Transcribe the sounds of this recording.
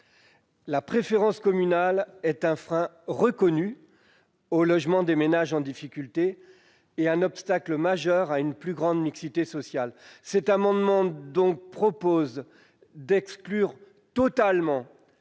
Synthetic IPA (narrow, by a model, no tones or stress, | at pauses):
lapχefeʁɑ̃skɔmynalɛt̪ɛ̃fχɛ̃ | ʁəkɔny | olɔʒmɑ̃d̪emenaʒɑ̃d̪ifikʲylt̪eː | ɛ̃nɔpst̪akləmaʒœʁaynplyɡʁɑ̃d̪miksit̪esɔsjalsɛt̪amɑ̃d̪mɑ̃d̪ɔ̃k̚pχɔpoz | d̪ɛksklyʁ | t̪ɔt̪almɑ̃